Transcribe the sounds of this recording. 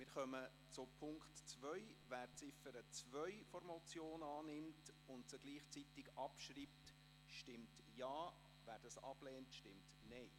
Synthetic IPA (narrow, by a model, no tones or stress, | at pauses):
mɪːɾχœmə | t͡sʊpʰʊŋktt͡svœʏvæːɾt͡sɪfəɾət͡svœʏfɔɾmɔt͡sjoːnɑːnɪmtʊnd̚t͡səɡ̥liːχt͡sitɪɡɑpʃriːpt | ʃtɪmt | jɑː | væːɾd̥ɑsɑ̰b̥lɛːntʃtɪmt | neɪ